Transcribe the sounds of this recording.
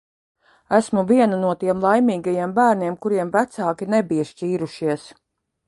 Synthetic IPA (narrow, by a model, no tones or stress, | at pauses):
æsmuviɛnanuɔt̪iɛmlˠajmiːɡajiɛmbæːɾniɛmkuɾiɛmvæt̪saːkʲinebiʃciːɾuʃiɛs